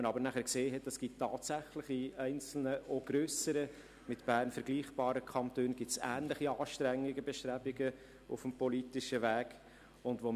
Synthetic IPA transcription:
ənɑbəɾnæχəɾkseːɦɛtəsɡ̥ittːɑːtsæχlɪχiɛɪnt͡sl̩nəʔoɡ̥ɾøːsəɾə | mɪtb̥æːɾnfəɾɡliːχb̥ɑːɾəkʰɑnt̪øːnɡɪtsæ̰ːnləχiɑːʃtɾæŋːiɡəbɛʃtɾæbɪɡə | ʊfəmpɔlitɪʃəvæːɡ | ʊndʋo

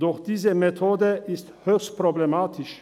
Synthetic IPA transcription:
d̥ɔxd̥iːzəmetʰoːdəʔɪsthøːçst̚pʁoblɛmaːtʰɪʃ

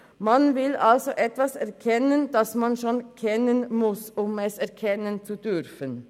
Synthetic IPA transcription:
mɑnvɪlɑlsoʔɛt̪vʋɑsɛʁkʰɛnənd̥̪ɑsmɑnʃonkʰɛnənmʊsʊmɛsɛʁkʰɛnənt͡sud̪ʏɾfən

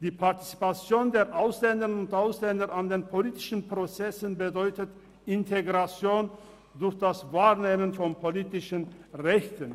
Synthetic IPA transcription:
d̥iːpʰaɐti̥t͡si̥pat͡sjoːndeːɐʔaʊslɛndəʁnʊntʔaʊslɛndɐʔandeːnpʰoliːtɪ̥ʃn̩pʁ̥ot͡sɛsənbədɔʏtət | ʔɪntʰeɡʁat͡sjoːn | dʊɐçd̥asvaːɐneːmənfɔnpʰoliːtɪʃənʁɛçtən

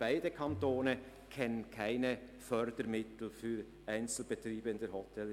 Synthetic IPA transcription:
b̥aɪdəkʰɑntoːnə | kʰɛnənkʰaɪnə | fœɾd̥əɾmɪt̪l̩fyːɾ | æɪnt͡sl̩bət̪ɾiːbəɪnd̪əhɔtʰɛl

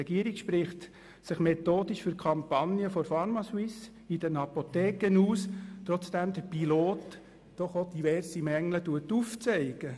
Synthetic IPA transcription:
ɛɡiəɾikʃpɾɪχt̪ | sɪχmetoːdiʃfyɾkʰɑmpɑnjəfɔɾfɑɾmɑswɪs | id̥ənɑpotɛːkənuːst̪ɾɔt͡sd̥æmd̥̪əɾpiloːtː | ɔχod̥̪iʋɛrsimɛŋlətuətːuft͡sɛɪɡ̥ə

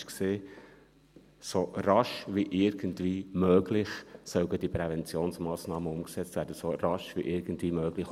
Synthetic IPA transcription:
kseː | soɾɑʃʋiʔɪɾɡ̥əntʋiːmøːɡlɪχsœʊɡəd̥ipɾɛvɛnt͡sjoːnsmɑːsnɑːməʊmksɛt͡st̪væːɾd̥əsorɑʃʋiʔɪɾɡ̥əntviːmøːɡ̥lɪx

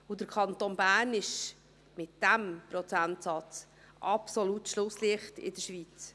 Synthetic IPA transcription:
ʊd̥̪əɾkʰɑnt̪onbæːɾnɪʃ | mɪtd̥æmpɾɔt͡sæntsɑt͡s | ʔɑpsolutʃlʊsliəχtɪ̰d̥əʃʋit͡s

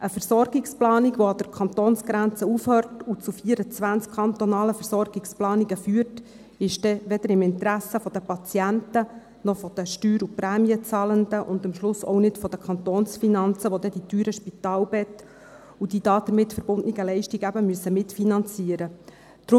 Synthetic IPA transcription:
ʔəfəɾsɔɾɡɪksplɑːniɡʋoɑd̥əɾkʰɑnt̪oːnsɡ̥ɾænt͡səufhœːrtut͡sufiːəɾət͡sʋænt͡skʰχɑnt̪ɔnɑːləfəɾsɔrɡ̥ɪksplɑːniɡəfyːərt | ɪʃd̥ɛʋɛd̥əɾɪmɪntɾæsːəfɔd̥əpɑt͡sjæntə | nɔfɔd̥̪əʃtyːɾupɾæːmiət͡sɑːlənd̪əʔʊnd̪əmʃlʊsɔ̰wnɪtfɔd̥̪əkχɑnt̪oːnsfinɑnt͡səʋod̥̪ɛd̥it̪yːɾəʃpit̪ɑːlbɛt̪ | ud̥id̥ɑːd̥̪əmɪtːfəɾb̥ʊndniɡəlɛɪʃtiɡəæbəmyəsəmɪtfinɑnt͡siəɾə | d̪̥ɾʊ

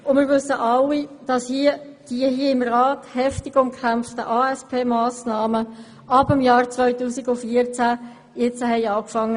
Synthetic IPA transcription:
ʊnmɪːɾʋʏsːəʔɑlːid̥ɑshiəd̥iəhiəɪmrɑːthɛftɪɡʊmkʰʁæmftəʔɑːɛspʰeːmaːsnɑːmə | ʔɑbəmjɑːɾt͡svœʏtuːsiɡʊfiəɾt͡sæ | jɛt͡səhɛɪɑːkfɑŋːə

